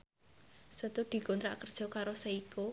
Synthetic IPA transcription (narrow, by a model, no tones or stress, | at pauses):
sət̪ud̪̥i̤ɡont̪ɾaʔkərd̥ʒ̥ɔ̤kaɾosəiko